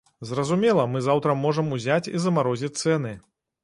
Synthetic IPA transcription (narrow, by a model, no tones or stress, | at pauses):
zrɐzumʲɛlˠɐmɨzawt̪ɾɐmɔʐɐmuzʲat͡sʲizɐmaɾɔzʲit͡sʲt̪sɛnɨ